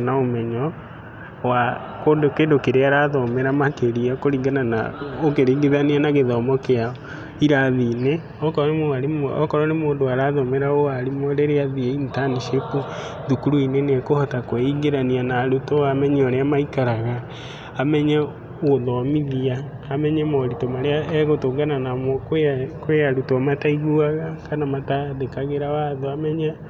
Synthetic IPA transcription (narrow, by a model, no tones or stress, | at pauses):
naomɛɲɔ | wa | kodokedokeɾeaɾaðɔmeɾamakeɾiakoɾiŋɡanana̰okeɾiːɡeðanianaɣeðɔmɔkeaɔ | iɾaðine | ɔkɔɾɔnemoaɾemɔkɔɾɔnemoːndoaɾaðɔmeɾaoaɾimɔɾeɾeaðieintaniʃepu | ðukuɾuinenekohɔtakwɛiɡeɾanianaɾutɔamɛɲɛɔɾeamaikaɾaɣa | amɛɲɛ | ɣoðɔmiðiaː | mɛɲɛmɔɾitɔmaɾeaɛɣotoɡananamɔkkweaɾutamataiɣuaɣakanamataðekaɣeɾawaðoamɛɲɛ